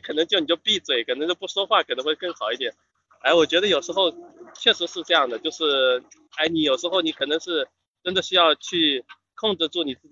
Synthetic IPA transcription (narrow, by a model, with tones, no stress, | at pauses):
kʰɤ˨˩n˧˥ŋt͡ɕjʊni˨˩t͡ɕo˥˧ʊpi˥˩t͡swe˨˩ɪkʰə˨˩n˧˥ŋt͡ɕjo˥˧ʊp̬u˥˩ʂo˥xwa˥˩kʰə˨˩nɤ˧˥xwe˥˧ɪkɤ˥˩ŋxɑ˨˩ʊi˥˩t̪jɛ˨˩˦n | a˥ɪwɔ˨˩t͡ɕɥɛ˧˥d̪ə˧jo˨˩ʊʂɻ̩˧˥xo˥˧ʊt͡ɕʰɥɛ˥˩ʂɻ̩˧˥ʂɻ̩˥˧ʈ͡ʂɤ˥˧jɑ˥˩ŋd̪ə˩t͡ɕjo˥˧ʊʂɻ̩˥˩ | a˥ɪni˧˥jo˨˩ʊʂɻ̩˧˥xo˥˩ʊni˧˥kʰɤ˨˩nɤ˧˥ŋʂɻ̩˥˩ | ʈ͡ʂə˥nd̪ə˨ɕy˥jɑ˥˧ʊt͡ɕʰy˥˧ | kʰʊ˥˧ŋʈ͡ʂɻ̩˥˧t͡sɔ˥˩ni˨˩t͡sɹ̩˥˩t͡ɕ